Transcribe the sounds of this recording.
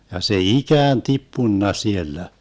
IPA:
jɑ se ikæːn tipːunːɑ sielːæ

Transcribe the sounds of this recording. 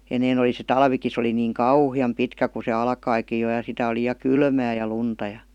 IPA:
enːeːn oli se tɑlʋiki se oli niːŋ kɑuhiɑm pitkæ ku se ɑlkɑikij jo jɑ sitæ oli jɑ kylmæː jɑ luntɑ jɑ̥

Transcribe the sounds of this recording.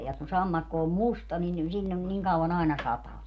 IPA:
jɑ kun sɑmːɑkːo om mustɑ nin silʲːon niŋ kɑuɑn ɑinɑ sɑtɑː

